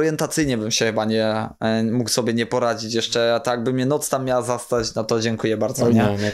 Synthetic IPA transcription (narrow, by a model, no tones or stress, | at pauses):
ɾjɛnt̪at̪sɘjɲɛbɘmɕɛxɘbaɲɛmukwsɔbʲjɛɲɛpɔɾad͡ʑit͡ɕjɛʂt͡ʂɛt̪ɔjaɡ̚bɘmɲɛnɔt̪st̪amʲːjawazast̪at͡ɕnɔt̪ɔd͡ʑɛŋkujɛbaɾd̪zɔmɲɛ